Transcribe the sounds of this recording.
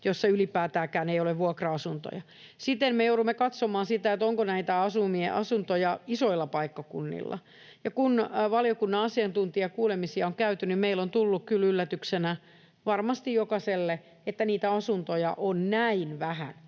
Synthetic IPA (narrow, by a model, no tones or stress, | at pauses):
josːɑylipæːt̪æːkæːnejoleʋʋuɑkrɑɑsunt̪o̰jɑ | sit̪enmejouɾumːekɑt̪somɑːnsit̪æet̪oŋkonæit̪æɑsumiḛʔɑsunt̪ojɑisoilːɑpɑikːɑkṵnːḭlːɑ̰ | jɑkunʋɑliokunːɑɑsiɑnt̪unt̪iɑkuːlemisiɑoŋkæyt̪ynimmeilont̪ulːukkylylːæt̪yksenæ | ʋɑrmɑst̪ijokɑselːe | et̪ːæniːt̪æɑsunt̪ojɑ̰ʔonnæinʋæhæ̰n